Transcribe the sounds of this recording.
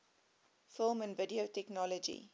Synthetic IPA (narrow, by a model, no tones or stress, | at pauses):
fɪlˠmə̃nvədiotɛknɔlɔd͡ʒḭ